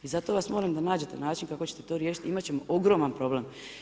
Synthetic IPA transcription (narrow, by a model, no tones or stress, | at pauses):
izat̪o̞ʋasmoɾamd̪anaːd͡ʑe̞t̪e̞naːt͡ʃinkakot͡ɕe̞t̪e̞t̪o̞ːɾjeːʃit̪ʲimat͡ɕe̞mo̞ʔo̞ɡɾo̞ːmanpɾo̞blem